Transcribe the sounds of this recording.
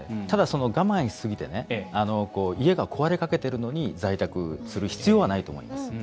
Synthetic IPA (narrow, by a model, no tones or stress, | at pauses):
t̪ad̪aso̞no̞ɡamãɰ̃sɨɡʲit̪e̞̰ne̞ano̞ko̞ːie̞ɡakʰo̞βaɾe̞kake̞t̪e̞ɾɯ̟no̞ɲ̟id͡zait̪akɯ̟̰sɨɾɯ̟çi̥t͡sɨjo̞βanait̪o̞ːmo̞̰ḭmasɨ̥